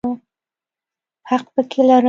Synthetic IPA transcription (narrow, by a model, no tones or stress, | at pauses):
u | haq̚pəkʰelaɾu